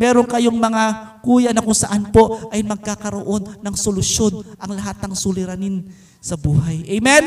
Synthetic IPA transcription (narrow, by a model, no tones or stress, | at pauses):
mɛːɾo̞ŋkɐjo̞ŋmɐŋakuːjɐnɐkʊŋsɐʔanpo̞ʔɐjmɐɡ̚kakɐɾoʔo̞nːɐŋsolʊsjo̞nʔɐŋlɐɦat̪̚nɐŋsulɪɾanin | sɐbuːɦajʔɛjmɛn